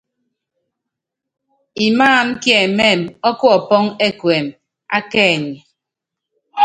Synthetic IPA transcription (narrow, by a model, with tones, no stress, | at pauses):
i˨maː˦˨m̩˦kjɛ˨me˦˨mɔ˦kɔ˦ɔ˨pɔ˦ŋe˦kwe˨m | a˦kɛː˦˨ɲi˨